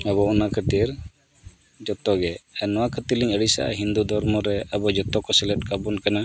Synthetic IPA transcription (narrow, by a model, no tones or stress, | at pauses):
aβɔɔnakʰət̪iɾ | d͡ʒɔt̪ɔɡɛɛnɔwakʰət̪iɾliɲəɽisa̰ʔa̰ɦind̪ud̪ʱɔɾmɔɾɛabɔd͡ʒɔt̪ɔkɔsɛlɛt̚ˀkabɔnkana